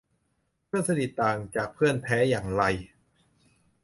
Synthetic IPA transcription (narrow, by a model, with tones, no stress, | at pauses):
pʰɯ˥˩ənsa˧di˨˩t̪ːaː˨˩ŋt͡ɕaː˨˩k̚pʰɯ˥˩ənpʰɛː˦˥jaː˨˩ŋɾa˧j